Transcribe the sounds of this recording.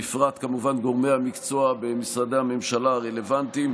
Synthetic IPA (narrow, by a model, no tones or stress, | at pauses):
fʁat̪kamuvanɡo̞ʁme̞hamikt͡so̞abemisʁad̪ehame̞mʃalaaʁele̞vant̪im